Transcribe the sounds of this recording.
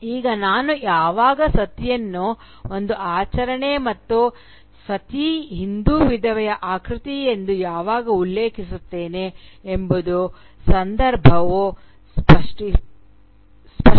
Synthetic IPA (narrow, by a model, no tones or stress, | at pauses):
iːɡɐnaːnujaːʋaːɡɐsɐt̪jɐnːu | ond̪uʔaːt͡ʃɐɾɐɳe̞mɐt̪ːu | sɐt̪iɦind̪uːʋid̪ʱɐʋɛjɐʔaːkɾɪt̪ijend̪ujaːʋaːɡɐulːe̞ːkʰisut̪ːe̞ːneembud̪u | sɐnd̪ɐɾbʱɐʋu | spɐʂʈi | spɐ